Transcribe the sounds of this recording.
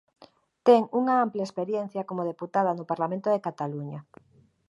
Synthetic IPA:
t̪ɛŋuŋaamplespeɾjɛn̟θjakomoð̞eput̪að̞ɐnʊpaɾlamẽnt̪oðekat̪aluɲaɐ

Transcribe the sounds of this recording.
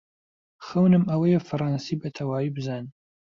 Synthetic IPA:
xɐwnɨmɐwɐjefɨrˤɑːnsiːbɐt̪ʰɐwaːwibɨzaːn

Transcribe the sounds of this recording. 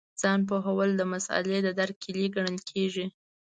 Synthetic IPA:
z̥ɑnp̬oɦawəld̪əmasa̰led̪əd̪aɾkʰeliɡaɳəlkʰeʒi

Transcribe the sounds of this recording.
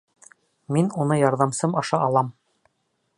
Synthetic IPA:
minunɤjɒɾðɑmsɤmɑʃɑʔɑlˠɑm

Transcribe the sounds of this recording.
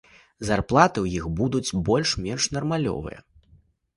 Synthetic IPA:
zarplˠat̪ɨwjixbud̪ut͡sʲbɔlʲʂmʲɛnʂnɐrmalʲɔ̰vɨ̰jɐ̰

